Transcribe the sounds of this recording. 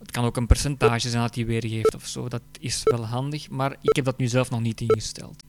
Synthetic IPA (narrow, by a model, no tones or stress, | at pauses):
ətkɑnoːkənpɛrsɛntaːʒəzɛnɑtiʋeːreːftɔfso̰ːdɑtɪsʋɛlˠɦɑndəxmaːrɪkɦɛb̚dɑtnyːzɛlˠfnɔxnitɪnɣəstɛ̰lˠt